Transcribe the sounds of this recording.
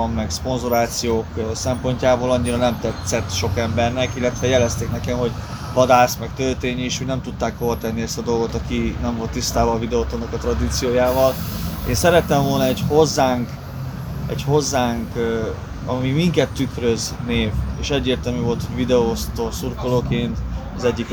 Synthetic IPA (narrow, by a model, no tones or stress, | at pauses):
mːɛkspo̞nzoɾaːt̪sijoːksɛmpo̞ɲcaːboːlɒɲːiɾɒnɛmt̪ɛt̪sɛt̪ʃo̞kɛmbɛrnɛkilːɛt̪ʋɛjɛlɛst̪eːknɛkɛmho̞ɟ | vɒd̪aːsmɛkt̪ørt̪eːɲiʃho̞ɟnɛmt̪ut̪ːaːkho̞vɒt̪ɛnːiɛst̪ɒd̪o̞lɡo̞t̪ɒkinɛɱvo̞lt̪ːist̪aːbɒvid̪ɛot̪onokɒt̪rɒd̪iːt̪sijoːjaːvɒleːnsɛɾɛt̪ːɛmvo̞lnɒɛɟho̞zːaːŋk | ɛ̰cho̞zːaːŋk | ɒmimiŋkɛt̪ːykrøzneːveːʃɛɟːeːrt̪ɛlmyvo̞lt̪ʰho̞ɟvid̪ɛost̪oːsurkoloːkeːnt̪ɒzɛɟːik